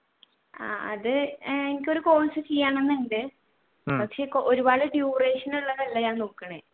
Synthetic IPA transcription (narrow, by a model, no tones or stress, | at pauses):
a̰ːɐðɨenikʲːo̞ɾuko̞ːnsɨt͡ɕijːaːɳe̞nːeɳɖɨ | pɐkʂe̞ːkʔoɾubaːɭɨɖjuːreːʂɐnuɭːɐðɐlːɐɲaːnnoːkːɐɳɨ